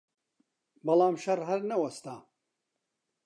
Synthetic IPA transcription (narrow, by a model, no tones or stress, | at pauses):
bɐlaːmʃɐrɦɐɾnɐwɐst̪aː